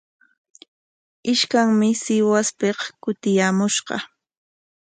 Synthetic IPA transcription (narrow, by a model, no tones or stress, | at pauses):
ɪʃkaŋmɪsɪwaspeqkʊt̪ɪjaːmʊʃɢɑ̰